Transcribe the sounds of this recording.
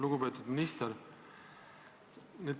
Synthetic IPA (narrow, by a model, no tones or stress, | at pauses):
luɡupet̪ːˑud̪̥minist̪ɛɾ | ned̪